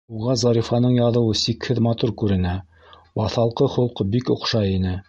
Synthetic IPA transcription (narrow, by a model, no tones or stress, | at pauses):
uʁɑzɑɾifɑnɤɴjɑðɤ̆wɤsikhɘðmɑt̪uɾkʉɾɘ̆næ | bɑθɑlˠqɤχŏlˠqɤbikŏqʃɑinɘ